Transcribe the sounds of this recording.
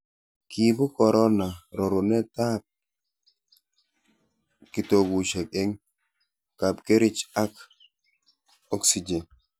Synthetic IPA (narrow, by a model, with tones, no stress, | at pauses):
kʰi˨bu˦kɔ˨ɾʔɔ˦na˨ɾɔ˨ɾu˨nɛ˦ta˦p̚ | ki˨to˨ɡu˨ʃɛ˨ke˦ŋ | ka˨pke˦ɾɪ˦t͡ʃa˦k | ɔ˦ksi˨d͡ʒe˨n